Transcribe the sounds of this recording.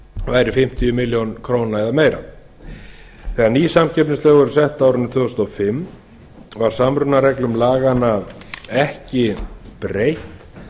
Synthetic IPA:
vaːjɾɪfɪm̥t̪ʰiʏmɪljownkʰɾownaɛðameːjɾa̰ | θɛɣaɾniːsamcʰɛp̚nɪst̪œːɣʏɾʏsɛht̪aːwɾʏnːt̪ʰvʏɣʏst̪ɔfɪmː | vaɾ̥samɾʏnaɾɛklʏmlaːɣanaɛhcɪpɾejht̪

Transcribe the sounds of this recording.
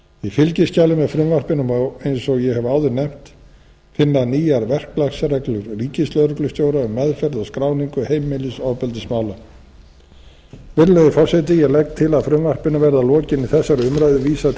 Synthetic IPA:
ifɪlcɪscaːlɪmɛðfɾʏmvar̥pɪnʏmɔejnsɔɣjɛɦɛvaːwðʏɾnɛm̥t̪ | fɪnːaniːjaɾvɛr̥klaxsɾɛklʏɾriːcɪst̪lœðɾʏklʏst̪joːwɾaʏmːɛðfɛɾðɔɣskɾawniŋkʏhejmːɪlɪsɔðpɛlt̪ɪsmaːwla | vɪɾlɛðɪfɔr̥sɛt̪ɪjɛɣlɛk̚t̪ʰːɪlaðfɾʏmvar̥pɪnavɛɾðalɔːcɪniθɛsːaɾʏmɾajðʏviːsa

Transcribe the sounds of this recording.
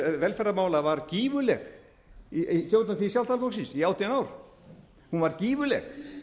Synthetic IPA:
vɛlfɛɾamaːwlavaɾciːvʏlɛɣ | isjowt̪naθisjalt̪ʰalfoksinsiawt̪ʰianaːwɾ̥ | hunvaɾciːvʏlɛ̰x

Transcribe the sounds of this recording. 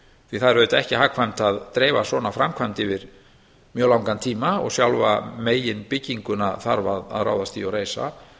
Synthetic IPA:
θviθaðɾœʏt̪ɛhcɪɦaːkʰvajmt̪aðt̪ɾeːvasvɔːnafɾamkʰvajmt̪ɪvɪɾ | mjœːlawŋkant̪ʰiːmaɔ̰ɣsjawlva̰meːjɪnpɪcːiŋkʏnaðθa̰ɾvaða̰ðra̰ːwðast̪iɔɾeːjsa̰

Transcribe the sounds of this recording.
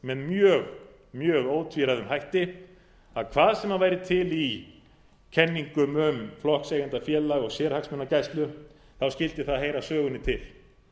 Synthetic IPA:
mɛnmjœːɣ | mjœːɣoːwt̪ʰviɾaðʏmɦajht̪ɪ | aðkʰvaːðsɛmaðvaːjɾɪt̪ʰɪli | cʰɛnːiŋkʏmʏmflɔhksejɣant̪afjɛːlaɣɔɣsjɛːɾhaksmɛnːacajst̪lʏ | θawscɪlt̪ɪθaðɦejɾasœːɣʏnːɪt̪ʰɪl̥

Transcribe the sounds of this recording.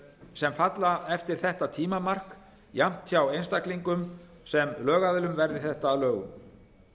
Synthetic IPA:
sɛmfat̪laɛft̪ɪɾ̥θɛht̪at̪ʰiːmamar̥k | jam̥t̪çawejnst̪akliŋkʏm | sɛmlœːɣaðɪlʏmvɛɾðɪθɛht̪aːlœːɣʏ̰m

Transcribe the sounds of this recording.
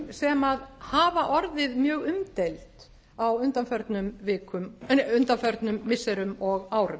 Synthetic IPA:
sɛmaðhaːvaʔɔɾðɪðmjœːɣʏmt̪elt̪ | awʏnt̪anfœɾt̪nʏmvɪːkʰʏmʏnt̪anfœɾt̪nʏmːɪsːɛɾʏmɔɣaːwɾʏm

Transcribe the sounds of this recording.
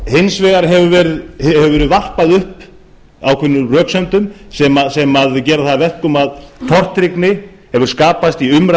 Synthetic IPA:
hɪnsvɛːɣaɾ̥ɦɛvʏvɛːɾʏðɛvʏvɛːɾʏðvar̥paðʏhp | awkʰvɪnːʏrœːksɛnt̪ʏmsɛmasɛmaðcɛːɾaθaðvɛr̥kʏmaðt̪ʰɔr̥t̪ɾɪknɪhɛvʏɾ̥skaːpast̪iʏmɾa

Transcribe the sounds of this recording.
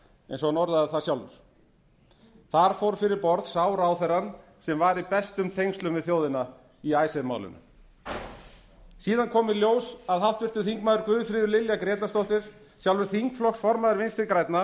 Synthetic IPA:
ɛ̰nsɔanɔɾðaðaðθḁsjawlvʏ̰ɾ̥ | θaɾ̥fowɾfɪɾɪɾpɔɾðsaːwɾaːwθɛɾan | sɛmvaɾipɛst̪ʏmt̪ʰejŋsʏmvɪðθjoːwðɪna | iajsɛðma̰ːwlʏ̰nʏ̰m | siːðankʰɔːmɪɾljoːwsaðɦaft̪vɪr̥t̪ʏθiŋkmaːðʏɾkvʏːðfɾɪːðʏɾlɪljakɾɛːt̪ast̪owht̪ɪɾ̥ | sjawlvʏɾ̥θiŋkflɔksfɔɾmaðʏɾvɪnst̪ɪlkɾajt̪na

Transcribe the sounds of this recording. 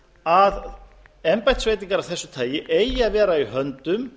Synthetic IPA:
aðɛmpajt̪svejt̪̬iŋkaɾavθɛsːʏt̪ʰaːjɪʔeːjaðvɛːɾaiɦœnt̪ʏm

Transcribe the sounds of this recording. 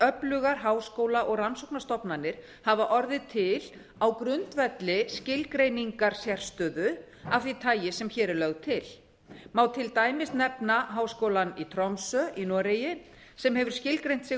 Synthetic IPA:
œplʏɣaɾ̥ɦaːwskowlaʔɔɣransɔwknast̪ɔpnanːɪɾ̥ | havaʔɔɾðɪt̪ʰɪl | awkɾʏnt̪vɛt̪lɪscɪlkɾejniŋkaɾ̥sjɛr̥st̪œːðʏ | afθit̪ʰaːjɪsɛmçɛːɾɪlœɣt̪ʰɪl | maːwt̪ʰɪlt̪aːjmɪst̪nɛpnaɦaːwskowlanit̪ʰɾɔmsœinɔːɾejɪ | sɛmhɦɛvʏɾ̥scɪlkɾejn̥t̪sɪ

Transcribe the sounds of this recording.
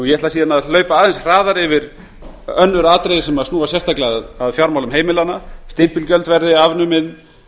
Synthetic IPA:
ujɛɛt̪lasiːðanaðlœːɥpaaːðensraːðaɾɪvɪɾ | œnːʏɾaːt̪ɾejðɪsɛmaðsnuːasjɛst̪ʰaklɪaðaðfjaɾmawlʏmɦeːjmɪlanast̪ɪm̥pɪlcœlt̪vɛɾðɪavnʏmɪn

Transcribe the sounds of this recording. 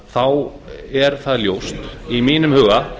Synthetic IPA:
θawɛɾ̥θaðljowst̪imiːnʏmhʏːɣa

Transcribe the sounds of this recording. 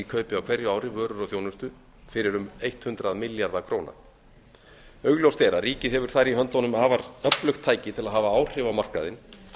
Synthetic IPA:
ikʰœːɥpɪawkʰv̥ɛɾjʏaːwɾɪvœːɾʏɾɔθjownʏst̪ʏ | fɪɾɪɾʏmejht̪hʏnt̪ɾaðmɪljaɾðakʰɾowna̰ | œːɥɣljowst̪ɛːɾaɾiːcɪðɦɛvʏɾ̥θaɾiɦœnt̪ɔnʏmaːvaɾœplœxt̪ʰːaːjcɪt̪ʰɪlaðɦaːvaaːwr̥ɪvamar̥ka̰ðɪn

